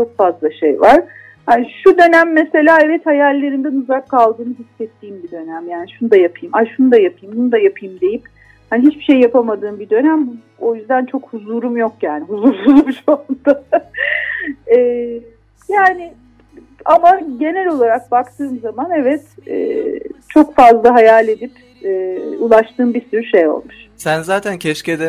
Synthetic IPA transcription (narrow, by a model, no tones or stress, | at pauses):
t͡ʃʰo̞kfazlˠaʃejvaɾ̥ | hanʃud̪ø̞næmːese̞lʲaːɛvɛt̪hajalʲːe̞ɾind̪ænuzakʰːalˠd̪ɯːnɯɦisːɛt̪ʰːiːmbid̪ø̞næmjaːniʃunud̪ajapʰɯjɯmaʃunud̪ajapʰɯjɯmbunud̪ajapʰɯjɯmd̪e̞jip̚ | haniɦit͡ʃbiʃe̞jːapʰamad̪ɯːmbid̪ø̞næmbu | o̞jyzd̪ænt͡ʃʰo̞khuzuːɾumjo̞kjaːnɪɦuzuɾhuɾumʃoumd̪̥a | ɛː | jaːnɪ | amaɟe̞nælʲo̞lˠaɾak̚bakt̪ʰɯːmzamanevɛt̪ɛ̰ːt͡ʃʰo̞kfazlˠaɦajalʲed̪ip | ɛːulˠaʃt̪ʰɯːmbisyɾyʃe̞jo̞̰lˠmuʃ | sænzaːt̪ʰæncʰɛʃced̪ɛ